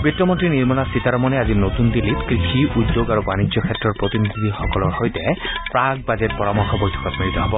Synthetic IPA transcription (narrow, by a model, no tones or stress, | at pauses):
bitːɔmɔntɹiniɹmɔnasitaɹɔmɔnɛazinot̪undilːitkɹixiʔudːoɡaɹubanizɔkʰɛtɹɔɹpɹot̪inid̪ʱid̪ʱixɔkɔlɔɹhojtɛpɹaɡ̚bazɛt̚pɔɹamɔkʰːɔbojtʰɔ̥kɔtmiɹit̪ɔɦɔbɔ